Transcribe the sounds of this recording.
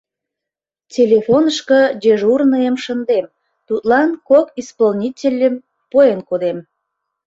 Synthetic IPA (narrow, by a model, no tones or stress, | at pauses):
tʲelʲefonəʃkəd͡ʑeʒurnəjəmʃənd̪em | t̪ut̪lɑnkokispolnʲitʲelʲːəm | pojenkod̪em